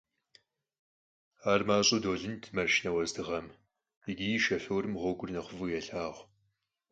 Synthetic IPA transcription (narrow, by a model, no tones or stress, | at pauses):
aːrmaːɕʼʊdoːɮɨntʰmɐrʃnɐwɐzdɨʁɐm | ɪɡʲijiʃɐfowɾɨmʁʷɔɡʷʊrnɐχʷʊvɨjɛɬaːʁʷ